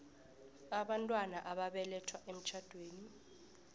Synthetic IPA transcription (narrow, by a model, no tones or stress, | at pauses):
aɓantʼwanaʔaɓaɓɛlɛtʰwaʔem̩t͡ʃʰad̥ʱweːni